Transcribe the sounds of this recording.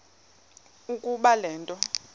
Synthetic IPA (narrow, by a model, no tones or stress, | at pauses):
ukʼuɓalɛːntʼɔ